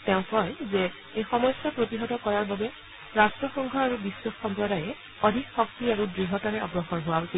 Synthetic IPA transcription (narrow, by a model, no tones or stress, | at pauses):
tɛʊ̃kɔjzɛ | ejxɔmɔsjapɹotiɦɔtɔkɔɹaɹbabɛ | ɹastɹɔxɔŋɡʱɔaɹubisːwɔxxɔmpɹɔɾajɛ | odʱikxɔk̚tiaɹudɹiɦɔtaɹɛɔɡɹɔxɔnɦʊwasi